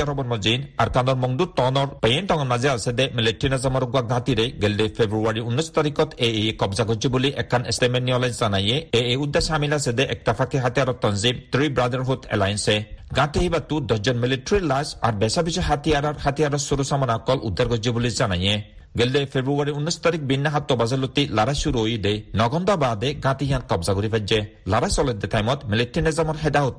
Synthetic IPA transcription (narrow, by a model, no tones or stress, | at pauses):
aɾɔbɔnmɔzina̰ɾkanɔɾmɔŋd̪ut̪ɔnɔɾpejenʈɔŋɔnmazɛasɛd̪ɛmileʈɾinazamɔɾɔɡuaɡãt̪iɾejɡeld̪epʰebɾuaɾiunːist̪aɾikɔt̪eejkɔbzaɡɔd͡ʒibuliʔɛkʰːanestemenːiɔlajnszanajeeejud̪ːasamilasɛd̪ɛʔɛk̚t̪afʰakʰeɦat̪ijaɾɔt̪ːɔnzimt̪ɾibɾad̪aɾɦut̪ʰɛ̰lajnsɛɡãt̪eɦibat̪ːud̪ɔd͡ʒɔnmiliʈɾilasa̰ɾbɛsabiʃɔjɦat̪ijaɾaɾhat̪ijaɾɔsuɾusamanaɔkːɔlʔṵd̪ːaɾɡɔd͡ʒɔbulizanaje | ɡeld̪efʰebɾuaɾiunːist̪aɾik̚binːaɦat̪ːɔbazelːot̪ːilaɾajʃuɾuojd̪ejnɔɡɔnd̪abaːd̪eɡãt̪iɦijankɔbzaɡoɾifad͡ʒelaɾajsɔled̪et̪ʰajmɔt̪miliʈɾinezamɔɾɦɛd̪aɦot̪